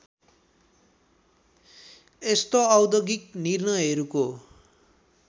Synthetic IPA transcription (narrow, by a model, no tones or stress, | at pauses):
est̪oʌwd̪ʌɡiknirnʌjɦʌɾuko